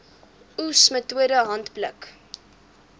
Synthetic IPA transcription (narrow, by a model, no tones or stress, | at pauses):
usmətuəɾəɦɐntblə̰k